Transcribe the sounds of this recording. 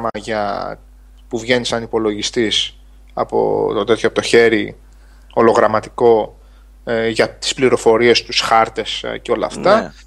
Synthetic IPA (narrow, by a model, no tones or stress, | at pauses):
mɐʝɐ | puvʝe̞nisɐnipo̞lo̞ʝist̪is | ɐ̰po̞̰t̪ot̪e̞t̪çoɐpot̪o̞çe̞ɾi | o̞lo̞ɣɾɐmɐt̪i̥ko̞ | ʝɐt̪i̥spliɾo̞fo̞ɾie̞st̪usxɐɾt̪e̞sceo̞lɐ̰ft̪ɐ